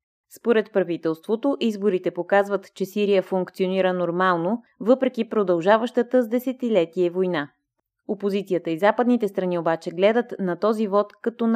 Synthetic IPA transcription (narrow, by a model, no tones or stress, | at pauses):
spoɾɛt̪pɾɐvit̪ɛlˠst̪vot̪oʔizboɾit̪ɛpokazvət̪t͡ʃɛsiɾijəfʊŋkt̪sioniɾənoɾmalˠno | vɤpɾɛkipɾod̪ɐlˠʒavəʃt̪ət̪əzd̪ɛsɛt̪ilɛt̪iɛvojna | opozit̪sijət̪əizapəd̪nit̪ɛst̪ɾɐniobat͡ʃɛɡlɛd̪ət̪nɐt̪ɔzivɔt̪kɐt̪ɔn